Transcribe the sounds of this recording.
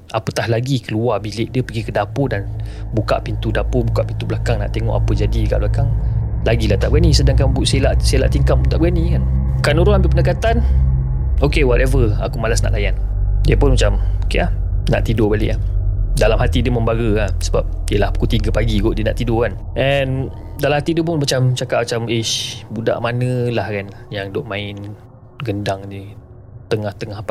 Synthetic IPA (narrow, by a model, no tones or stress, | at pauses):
apət̪ahlaɡikəluarbilɪʔdiəpəɡikədapodanbuka̰ʔpint̪udapobukaʔpint̪ublakaŋna̰ʔt̪eŋɔ̰ʔapəd͡ʒadika̰ʔblakaŋlaɡilaht̪aʔbɡanisədaŋkanbuselaʔsela̰ʔt̪iŋkap̚unt̪aʔbɡanikan | kanuɾʊhamp̬ipəndəkat̪an | okewat̪ɛvəa̰kumalasna̰ʔlajan | jəpʊnmat͡ʃamokelah | na̰ʔt̪idobalḛʔahdalamɦat̪idəməmbaɡəasəbap̚ijəlahpu̥kut̪iɡəpaɡiɡoʔdiəna̰ʔt̪idokanʔɛn | dalamhat̪idipʊnmat͡ʃamt͡ʃakaʔ̚mat͡ʃaməbuda̰ʔmanə̃lahkanjaŋdɔʔmãɪn | ɡəndaŋdi | t̪əŋaht̪əŋahpa